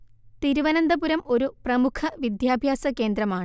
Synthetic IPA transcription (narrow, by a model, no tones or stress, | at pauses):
t̪iɾuʋɐnɐnd̪ɐpuɾɐmo̞ɾuprɐmukʰɐʋid̪jaːbʱjaːsɐke̞ːnd̪ɾɐmaːɳɨ